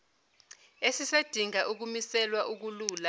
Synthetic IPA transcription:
esised̥ʱiŋaʔuk̬umisɛlwaʔuk̬uluːla

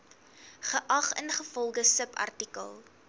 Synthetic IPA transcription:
χəʔɐχənχəfɔlˠχəsəpɐ̰rtikə̰lˠ

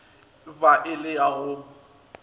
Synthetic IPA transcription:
baʔɪlɪjaɣʊ

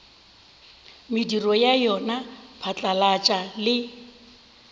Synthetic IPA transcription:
mɪdirɔjajɔnapʰat͡ɬʼalat͡ʃʼalɪ

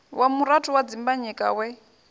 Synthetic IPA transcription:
wʔamuɾatʰuwad͡zimbaɲɛkʼa̰wɛ

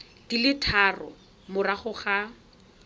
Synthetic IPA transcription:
d̥ilɪtʰarɔ | mʊraχʊχa

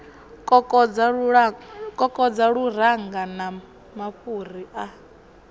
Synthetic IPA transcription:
kʼɔkʼɔa | kʼɔkʼɔd͡zaɺuɾ̤aŋɡana | maɸur̤iʔa

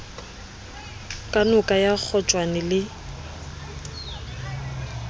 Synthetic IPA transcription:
kʼanʊkʼajak͡xʰɔt͡ʃʼwanɪlɪ

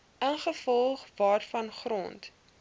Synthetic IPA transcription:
ənχəfɔlˠχvɑːrfɐnχrɔ̰nt

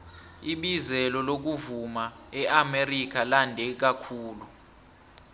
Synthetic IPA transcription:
iɓizɛlɔlok̬uvuma | ɛʔamerik̬alandʱɛk̬akʰuːlu

